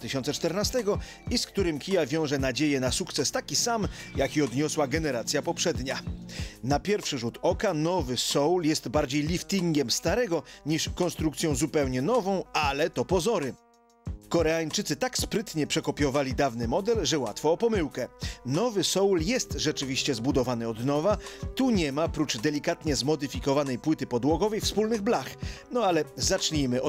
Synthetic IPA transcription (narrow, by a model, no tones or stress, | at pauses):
t̪ɪɕɔnt̪sɛt͡ʂt̪ɛɾnast̪ɛɡɔ | iskt̪uɾɘmkʲijavʲjɔ̃w̃ʐɛnad͡ʑejɛnasukt̪sɛst̪akʲisamjakʲiɔd̪ɲɔswaɡɛnɛɾat̪sʲjapɔpʂɛd̪ɲanapʲjɛɾfʂɘʐut̪ɔkanɔvɘsɔwljɛst̪baɾd͡ʑejlʲift̪iŋɡʲɛmst̪aɾɛɡɔɲiʂkɔnst̪ɾukt̪sʲjɔ̃w̃zupɛwɲɛnɔvɔ̃w̃alɛt̪ɔpɔzɔɾɘ | kɔɾɛaɲt͡ʂɘt̪sɘt̪akspɾɘt̪ɲɛpʂɛkɔpʲjɔvalʲid̪avnɘmɔd̪ɛlʐɛwa̰t̪fɔːpɔmɘwkɛnɔvɘsɔwljɛst̪ʐɛt͡ʂɘvʲiɕt͡ɕɛzbud̪ɔvanɘɔd̪nɔvat̪uɲɛmapɾut͡ʂd̪ɛlʲikat̪ɲɛzmɔd̪ɘfʲikɔvanɛjpwɘt̪ɘpɔd̪wɔɡɔvɛjfspulnɘɣblaxnɔalɛzat͡ʂɲimɘ